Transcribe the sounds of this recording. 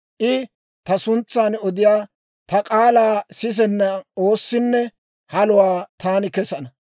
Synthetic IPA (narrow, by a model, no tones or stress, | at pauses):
ʔɪ | t̪ɐsʊnt͡sːaːnɔd̪ɪjaː | t̪ɐkʼaːlaːsɪs̬ɛnːɐoːsːɪnːɛ | hɐlʊwaːt̪aːnɪkɛsɐnɐ